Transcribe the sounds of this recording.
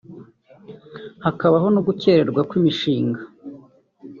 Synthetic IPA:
hakaβaɦo̞nuɡuce̞ɾe̞ɾɡwakwimiʃiːŋɡa

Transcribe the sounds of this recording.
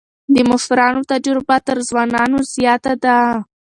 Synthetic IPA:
d̪əmʊfɾɑnot̪aɖeɾobat̪əɾzwɑnɑnozjɑt̪ad̪a

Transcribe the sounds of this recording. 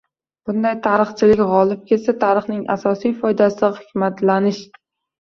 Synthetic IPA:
b̥ʊnd̪ajt̪ʰaɾɨχt͡ʃʰɪlɪkʲʁɒlˠɪp̚kʲʰe̞t̪sat̪ʰaɾɨχnɪŋa̰sɒsijfɒjd̪asɪχɪkʲmat̪ʰlanɪʃ

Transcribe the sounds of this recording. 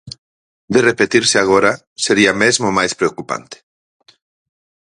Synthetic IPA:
d̪erepet̪iɾseaɣoɾa | seɾiamezmomajspɾeokupa̰nt̪e̥

